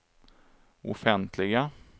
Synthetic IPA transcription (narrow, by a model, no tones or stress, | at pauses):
ʔɔ̰fɛnt̪ʰlɪɡa